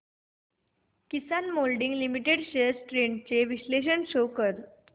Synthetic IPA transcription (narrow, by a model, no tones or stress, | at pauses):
kisanmolɖiŋɡlimiʈeɖɕəsʈɾeɳɖt͡seʋisleɕənɕokəɾ